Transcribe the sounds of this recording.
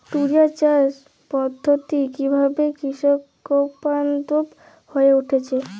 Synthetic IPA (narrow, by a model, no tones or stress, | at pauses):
ʈuɾijat͡ɕaɾ | pɔd̪ʱːot̪ikibʱabekɾiʃɔkː | ɔpant̪op | hoeuʈʰet͡ɕʰe